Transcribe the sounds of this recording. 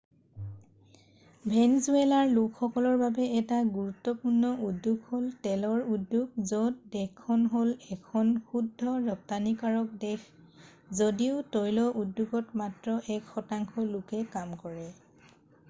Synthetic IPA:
bʱɛnzuelaɹlʊkxɔkɔlɔɹbabɛɛtaɡuɹutːɔpuɹnɔʔudːuɡholtɛlɔɹudːjuɡ̚zɔtdɛkʰːɔnɦolɛkʰɔnxudʱːɔɹɔp̚tanikaɹɔk̚dɛk | zodiʊtojlɔʔudːuɡɔtmatɹɔʔɛkxɔtaŋkɔlʊkɛkamkɔɹɛ

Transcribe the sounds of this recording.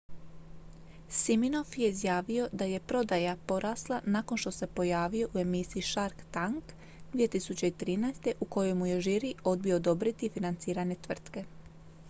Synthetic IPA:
simino̞fje̞izjaːʋijo̞d̪aje̞pɾo̞d̪ajapo̞ɾʔaːslˠanako̞nʃt̪o̞se̞po̞jaːʋijo̞ʔue̞misiiʃaɾkt̪aŋk | d̪ʋie̞t̪isut͡ɕe̞it̪ɾiːnajst̪e̞ʔuko̞jo̞jmuje̞ʒiɾio̞d̪̚bio̞ːd̪o̞bɾit̪ifinant̪siːɾaɲe̞t̪ʋr̩t̪ke̞

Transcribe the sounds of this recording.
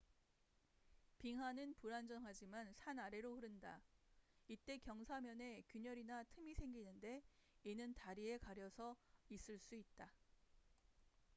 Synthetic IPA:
piŋɦanɯnpuɾand͡ʑʌŋɦad͡ʑimansʰanaɾe̞ɾoɸɯɾɯnda | it͈e̞kjʌŋsʰamjʌne̞kjuɲʌɾinatʰɯmisʰe̞ŋɡinɯnde̞inɯntaɾie̞kaɾjʌsʰʌis͈ɯɭs͈uit̚t͈a

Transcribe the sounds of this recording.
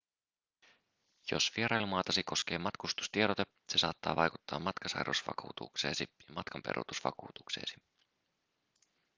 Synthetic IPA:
jo̞̰sʋieɾɑjlumɑːt̪ɑsiko̞sk̟e̞ːmɑt̪kust̪u̥st̪ieɾot̪e | se̞sɑ̰ːt̪ːɑ̰ːʋɑjkut̪ːɑ̰ːmːɑt̪kɑsɑ̰jɾṵsʋɑ̰kṵːt̪ṵkse̞ːsijɑmɑt̪kɑmpḛɾʔṵt̪usʋɑ̰kuːt̪u̥kse̞̰ːsi̥

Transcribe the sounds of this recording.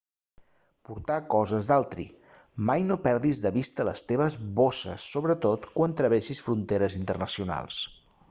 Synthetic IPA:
puɾt̪akɔzəzd̪alˠt̪ɾḭ | majnopɛɾðizðəβist̪ələ̰st̪eβ̞əzβosə̰sːoβɾət̪ot̪kwant̪ɾəβeʃisfɾunt̪eɾəzint̪ərnəsiuna̰lˠs

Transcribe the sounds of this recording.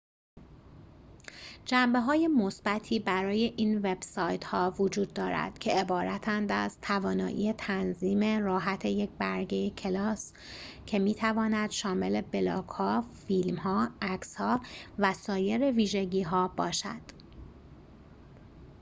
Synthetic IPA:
d͡ʒæmbe̞ɦɒːje̞mo̞sb̥æt̪ʰiːbæɾɒːje̞ʔiːnve̞b̥sɒːjt̪hɒːvod͡ʒuːd̪ːɒːɾæ̰d̪̥cʰe̞ebɒːɾæt̪ʰænd̪æz̥t̪ʰævɒːnɒːʔḭːet̪ʰænziːme̞ɾɒːɦæt̪ʰe̞jec̚bæɾɟejecʰe̞lɒːs | cʰe̞miːt̪ʰævɒːnæd̪̥ʃɒːme̞le̞belɒ̰ːɡhɒːfilmɦɒːækshɒːvæsɒːje̞ɾe̞viːʒeɟiːɦɒːb̥ɒːʃæ̰d̪̥

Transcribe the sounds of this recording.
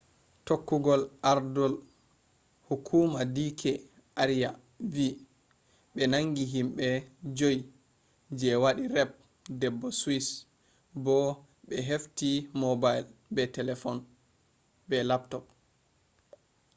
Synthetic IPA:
tokːuɡɔlaɾdɔl | hukʰumadikʰɛ | ʔaɾija | vi | ɓɛnaŋɡiɦimɓɛd͡ʒoj | d͡ʒɛwaɗirɛb̚ | dɛbːɔswis | bɔ | ɓɛɦeftimɔbajlbɛtɛlɛfɔn | bɛlap̚tɔp̚

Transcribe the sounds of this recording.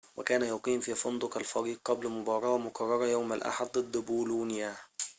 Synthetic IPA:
wakæːnajʊqiːnfiːfʊnd̪ˤʊqalfɑɾiːq̚qːɑblmʊbɑːɾˤɑʔmʊqʰɑrˤːɑɾˤɑjawmalʔa̰ħad̪̚ˤd̪ˤɨd̪ːbuːluːnɪjaː

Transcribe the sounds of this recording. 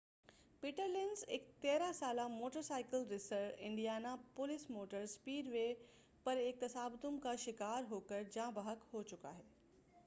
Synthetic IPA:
piʈəɾlɪnzɪkt̪eːɾasaːlamoːʈəɾsaːɪkəlɾɪsəɪ̃ɳɖijaːnapʊlɪsmoːʈəɾspiːɖʋe | pɐɾek̚t̪ɐsaːbt̪ʊmkʰaʃɪkaːɾɦoːkəɾd͡ʑãːbəɦəkhoːt͡ɕʊka̰ːɦeː

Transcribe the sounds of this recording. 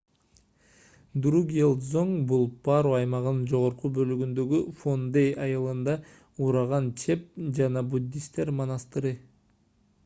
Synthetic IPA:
d̪ɾuɡʲelˠzoŋbulˠpɑɾuɑjmɑʁɯnɯnd͡ʒo̞ʁo̞ɾqubø̞lyɡynd̪ø̞ɡyfond̪ejɑjɯlˠɯnd̪ɑ | uːɾɑʁɑnt͡ʃʰe̞p̚d͡ʒɑnɑbud̪ʲːist̪e̞ɾmonɑst̪ɯɾɯ

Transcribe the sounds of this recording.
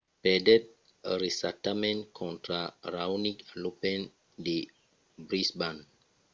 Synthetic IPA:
pɛdɛt̚ | ɾesatamɛ̃nkʰɔ̃ntɾaɾawniklopɛn | de | bɾisban

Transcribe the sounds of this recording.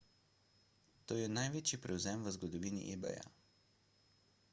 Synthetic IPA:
t̪oːjɛnajʋeːt͡ʃipɾɛwzɛmʋəzɡɔd̪ɔʋiːnḭʔebɛ̰ja̰

